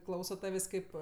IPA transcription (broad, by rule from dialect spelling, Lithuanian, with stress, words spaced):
ˈklˠɐʊsoː ˈtɑːʋʲeːsʲ ˈkɐɪp